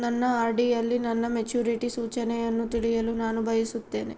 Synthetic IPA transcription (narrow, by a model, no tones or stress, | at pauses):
nɐnːɐaːɾɖijɐlːinɐnːɐmet͡ʃuːɾiʈisuːt͡ʃɐnɛjɐnːut̪iɽijɐlunaːnubʱɐjisut̪ːeːne